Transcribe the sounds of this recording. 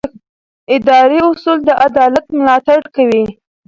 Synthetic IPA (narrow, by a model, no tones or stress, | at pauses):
ɪd̪ɑɾiʊsuld̪əʔad̪ɑlat̪mʊlɑt̪aɽkawi